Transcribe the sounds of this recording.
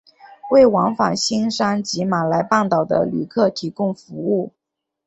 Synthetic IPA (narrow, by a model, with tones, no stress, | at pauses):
we˥˩ɪwɑ˧˥ŋfa˨˩ŋɕi˥ŋʂa˥nt͡ɕi˧˥ma˨˩la˧˥ɪpɑ˥˩ŋt̪ɑ˨˩ʊd̪ə̰˦ly̰˨˩kʰɤ˥˩t̪ʰi˧˥kʊ˥˩ŋfu˧˥u˥˩